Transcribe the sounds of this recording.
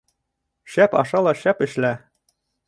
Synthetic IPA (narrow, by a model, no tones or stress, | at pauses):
ʃæpɒ̰ʃɑlˠɑʃæpɘ̆ʃlæ